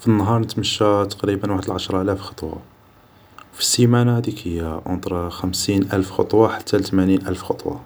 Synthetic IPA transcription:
finːəɦɑɾˤnət̪məʃːæt̪ɑ̥qɾibənwaħəd̪əlʕaʃɾˤɑʔælæfxɑ̥t̪ˤwɑ̰ | wfi̥simænahæd̪ikhəjːaʔʊ̰nt̪ˤɾˤɑxəmsinʔælfxɑ̰t̪ˤwɑħḁt̪ːælt̪əmæninʔælfxɑt̪ˤwɑ̰

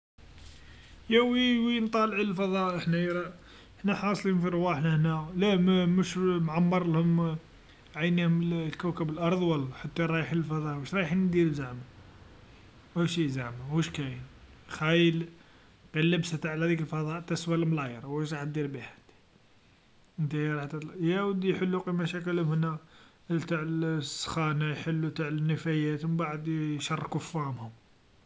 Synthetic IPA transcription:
jæwiwint̪ˤɑlʕləlfɑðˤɑʔʔəħnæjɾˤɑ | əħnæħɑsˤlinfiɾˤwæħnæhnælæmmuʃmʕɑmːɑɾˤlhʊm | ʕajnihʊmllkæwkæbəlʔɑɾˤðˤwælːħat̪ːæɾˤɑjħinəlfɑd̪ˤɑʔwəʃɾˤɑjħnd̪iɾlzaʕma | æʃizaʕmawuʃkæjənxæjəl | qilːəbsæt̪aʕlæd̪ikəlfɑd̪ˤɑʔt̪ːæswælmlɑjəɾˤwəʃɾˤɑħt̪̚d̪iɾbiħæ̥t̪ | ʔənt̪æɾˤɑħt̪æjæwəd̪ijħəlːuqimæʃæk̬əlhənːæ | t̪aʕlsːxænajħəlːut̪aʕlənːəfæjæt̪wmbaʕəd̪jʃɑrˤːkʊfːæmhʊm

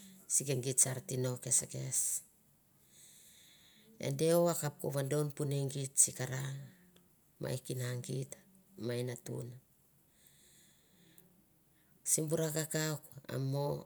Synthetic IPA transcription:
sikeŋɡitsaɾtino̞ke̞seke̞s | ḛnde̞owakap̚ko̰βando̞npuneŋɡitsikaɾa | mʔa̰jkinaŋɡit | majnatṵna | simbuɾakakaoka̰mo

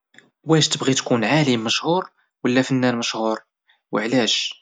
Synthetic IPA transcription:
wæʃt̪əbɣit̪kunʕalimːəʃhuɾ | wəlːæfənːænməʃhuɾ | wəʕlæʃ

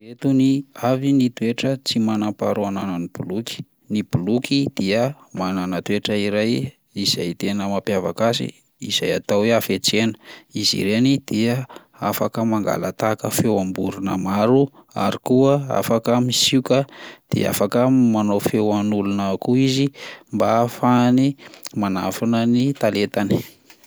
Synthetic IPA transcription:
et̪uniavinit̪ueʈ͡ʂət͡simanampa̰ɾuanananib̥uluki̥ | nibulukʰid̪̥iə | mananat̪weʈ͡ʂəiɾaj | iz̥a̰jt̪enəmapjavakasḭ | iz̥aja̰t̪aweafet͡senə̥izḭɾenid̪̥iə | afakəmaŋɡa̰lət̪akəfewambuɾunə̰maɾua̰ɾikuəa̰fakəmisiukʲəd̪̥ḛa̰fakəmanofewanulunakuizimbafanimana̰fanənit̪alet̪ani̥

